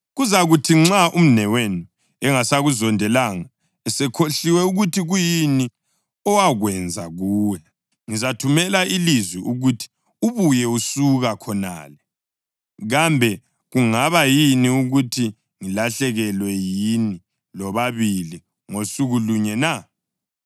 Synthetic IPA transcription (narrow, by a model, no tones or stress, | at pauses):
ɣuzaɣutʰiŋ͡ǁaʔum̩nɛwenu | ɛŋasaɣuzɔndʱɛlaŋa | ɛsɛkʰoɬiwɛuɣutʰiɣujini | ɔwaɣwɛnd͡zʱa̰ɣuːja | ŋizatʰumɛlailizwiʔuɣutʰi̥ | uβujɛusuɣakʰɔna̰ːlɛ | ɣambʱɛ | ɣuŋaβajiniuɣutʰi | ŋilaɬɛɣɛlwɛjini | lɔβaβili | ŋosuɣuluɲɛna